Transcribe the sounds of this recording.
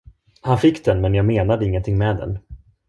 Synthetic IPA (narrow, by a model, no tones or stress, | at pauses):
hanfɪkːd̪ɛnmɛnjɑːɡmeːnad̪əɪŋːənt̪ʰɪŋmɛːd̪ɛ̰n